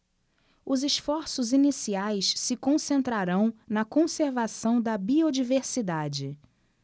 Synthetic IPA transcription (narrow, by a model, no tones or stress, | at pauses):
ʊzɪʃfɔɾsʊzinisiajssɪkõsẽnt̪ɾaɾɐ̃w̃nɐkõseɾvasɐ̃w̃d̪ɐbiod͡ʒiveɾsid̪ad͡ʒɪ